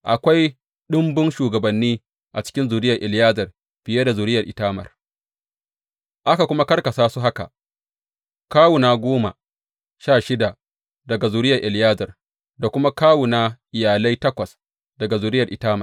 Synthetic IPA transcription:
ʔa̰˨kʷa˦j | ɗʊ˦mbʊ˦nʃuː˨ɡɐ˨bɐ˨nːiː˦ | ʔa˨t͡ʃɪ̥˦kʲɪ˦nzʊ˨ɾɪ˦jɐ˨rʔɪ˨ljaː˦zɐ˨r | ɸɪ˨ja˦da˨zʊ˨ɾɪ˦jɐ˨rʔɪ˨taː˦mɐ̰˨r | ʔa˦ka˨kʷʊ˦ma˦kɐ˦rkɐ˨saː˦su˦ɦa˦ka̰˨ | kaː˦wʊ˨naː˦ɡʷoː˦ma̰˨ | ʃaː˦˨ʃɪ˦da˨ | dɐ˨ɡa˨zuː˨ɾɪ˦jɐ˨rʔɪ˨ljaː˦zɐ˨r | da˨kʷʊ˦ma˦kaː˦wʊ˨naː˦ʔɪ˨jaː˨la˦jtɐ˦kʷɐ˨s | dɐ˨ɡa˨zʊː˨ɾɪ˦jɐ˨rʔɪ˨taː˦mɐ˨

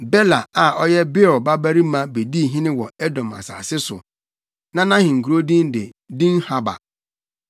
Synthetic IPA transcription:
bɛ˦la˨a˨ʔɔ˦jɛ˦bɪ˦ɔ˨ba˦bæ˦ɾi˦mã˦be˨di˦˨ɦĩ˦nɪ̃˦wɔ˨ɛ˦dɔ̃˨ma̰˨sa̰ː˨sɪ˦sʊ̰˨ | nã˦nã˦hɪ̃˨ŋ̩˨ku˨ɾo˦dĩ˦n˦dɪ˨ | dĩ˦n˦ha˦ba̰˨

